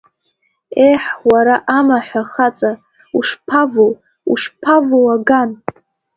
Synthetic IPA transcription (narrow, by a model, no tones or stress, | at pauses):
ejħwaɾaʔamaħʷᶣaχat͡sʼa | uʂpʰavow | ṵʂpʰavowaɡan